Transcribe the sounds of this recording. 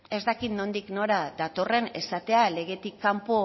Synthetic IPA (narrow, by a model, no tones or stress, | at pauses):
e̞zt̪akit̪no̞nd̪ikno̞ɾaðat̪o̞re̞ne̞̰sat̪e̞ale̞ɣe̞t̪ikːampo